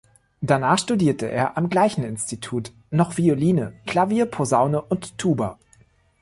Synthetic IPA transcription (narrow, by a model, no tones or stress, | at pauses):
d̥anaːχʃtudiːɐtəʔḛːɐʔamɡlaɪçn̩ɪnstitʰuːt | nɔχv̥ioliːnəkl̥aviːɐpʰozaʊnəʔʊntʰːuːbɐ